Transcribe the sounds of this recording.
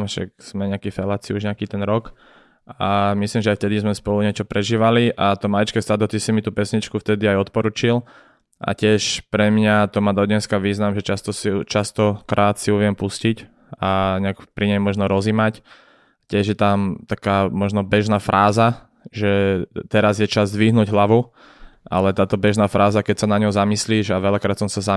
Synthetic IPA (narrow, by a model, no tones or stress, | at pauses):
ʃa̰kz̥mɛɲɛakifɛlaːt͡siuʒɲɛakiːt̪ɛnɾɔk | amislimʒɛajft̪ɛd̪izmɛspɔluɲɛt͡ʃɔpɾʔɛʒiːʋaliʔat̪ɔmajit͡ʃkɛːst̪ad̪ɔt̪isimit̪uːpɛsɲit͡ʃkuft̪ɛd̪iajɔt̪̚pɔɾuːt͡ʃil | ʔa̰cɪɛʃpɾɛmɲat̪ɔmad̪ɔdɲɛskaʋiːznamʒɛt͡ʃast̪ɔsit͡ʃast̪ɔkɾʔaːt̪siuʋɪɛmpuscic | aɲɛakpɾiɲɛjmɔʒnɔɾɔzimac | cɪɛʒjɛt̪amt̪akaːmɔʒnɔbɛʒnaːfɾʔaːza | ʒɛt̪ɛɾazjɛt͡ʃazd̪ʋiɦnuːɟɦlaʋu | ʔa̰lɛt̪aːt̪ɔbɛʒnaːfɾaːzakɛcsanaɲɔɦzamisliːʒaʋɛʎakɾaːt̪sɔmsaza